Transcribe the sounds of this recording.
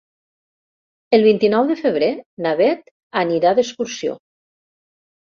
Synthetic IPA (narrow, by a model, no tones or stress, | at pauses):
əlˠβint̪inɔwðəfəβ̞ɾenaβɛt̪ | aniɾaðəskuɾsio̰